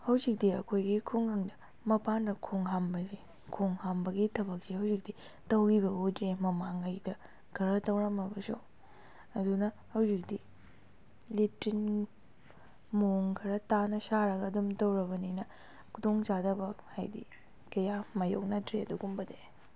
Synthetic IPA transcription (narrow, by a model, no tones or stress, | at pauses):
hɐwzik̚diɐkʰojɡikʰuŋhɐŋdɐ | mɐpanɾɐkʰoŋɦambɐzi | kʰoŋhambɐɡitʰɐbɐk̚sihɐwzik̚d̥i | tɐwɡibɐɡudɾemɐmaŋɐjdɐ | ɡʰɐɾɐtɐwɾɐmɐbɐsṵ | ɐdunɐ | hɐwzik̚di | litin | moŋkʰɐɾɐtanɐsaɾɐɡɐːdumtɐwɾɐbɐninɐ | kʰudoŋzadɐbɐha̰jdḭ | kɐjamɐjo̰k̚nɐtɾeɐduɡumbɐde